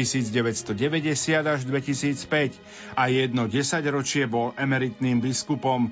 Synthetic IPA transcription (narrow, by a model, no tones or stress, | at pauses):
isiːd͡zɟɛʋɛcst̪ɔɟɛʋɛɟɛsɪad̪aʒd̪ʋɛcisiːt͡spɛc | ajɛd̪nɔɟɛsaɟɾɔt͡ʃɪɛbɔlɛmɛɾit̪niːmbiskupɔm